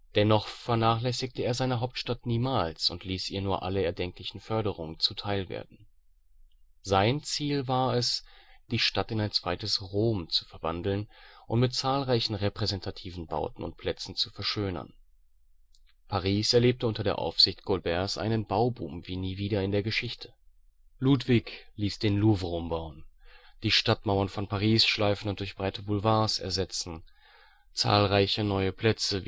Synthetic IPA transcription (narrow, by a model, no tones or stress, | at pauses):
d̥ɛnɔχfɛɐnaːχlɛsɪk̚təeːɐzaɪnəɦaʊp̚tʃtatniːmaːlsʊntʰliːsʔiːɐnuːɐʔa̰ləɛɐdɛŋklɪçn̩fœɐɾəʁ̞ʊŋənt͡sutʰaɪlvḛːɐdn̩ | zaɪnt͡siːlvaːɐɛsd̥iːʃtatɪnaɪnt͡sv̥aɪtəsʁoːmt͡su̥fɛɐva̰ndl̩nʔʊ̰ntmɪtt͡saːlʁaɪçn̩ʁɛpʁ̥ɛzɛntʰatʰiːvn̩ba̰ʊtn̩ʊ̰nt̚pʰl̥ɛt͡sn̩t͡sufɛɐʃøːnɐ̰n | pʰaʁiːsɛɐleːp̚təʊntɐɾeːɐʔa̰ʊfz̥ɪçtɡ̥olbɛɐsʔa̰ɪnənbaʊbṵːmviːniːviːdɐɪndeːɐɡəʃɪçtʰə̥ | luːtv̥ɪkliːsd̥eːnluːvʁʊmbaʊənd̥iːʃtatmaʊɐnfɔnpʰaʁiːsʃlaɪfn̩ʊntd̥ʊɐçb̥ʁaɪtʰəbʊlvaːɐsɛ̰ɐzɛt͡sn̩ | t͡sa̰ːlʁaɪçənɔʏəpʰl̥ɛt͡sə